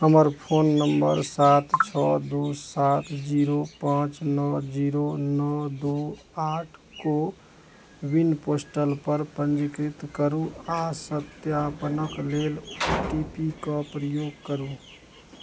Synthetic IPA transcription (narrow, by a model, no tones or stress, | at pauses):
ɦəməɾpʰoːnːəmbəɾsaːt̪t͡ʃʰɔːd̪oːsaːt̪ʰd͡ʒiːɾopãːt͡ʃnɔd͡ʒiːɾonɔːd̪oː | aːʈʰ | ko | wɪnpoːsʈəlpəɾpə̃nd͡ʒɪkɾɪt̪kəɾũaːsət̪jaːpənəkleːlʈiːpikapɾəjoːɡ̚kəɾũ